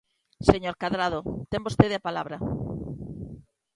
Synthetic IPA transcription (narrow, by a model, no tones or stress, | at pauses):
seɲoɾkaðɾaðot̪embost̪eðeapalaβɾa